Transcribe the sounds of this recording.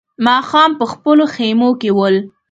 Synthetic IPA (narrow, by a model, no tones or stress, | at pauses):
mɑxɑmpəxpəloxemokewəl